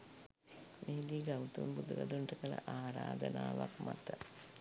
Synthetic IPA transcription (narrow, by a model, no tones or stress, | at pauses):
meːliːɡawut̪unbud̪ukad̪uɳʈəkələ̰ʔaːɾaːd̪ənaːʋakmat̪ə